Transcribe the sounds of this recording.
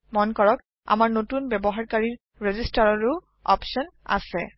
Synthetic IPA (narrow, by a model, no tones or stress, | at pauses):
mɔnkɔɹɔk̚ | a̰maɹnotunbɛbɔɦaɹkaɹiɹ | ɹezistaɹɔɹuʊ | ɔ̰psɔna̰sɛ